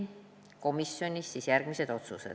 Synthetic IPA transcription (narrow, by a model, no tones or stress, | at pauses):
ko̞misːo̞nʲisːisjærɡ̥mise̞d̪o̞t̪susḛ̥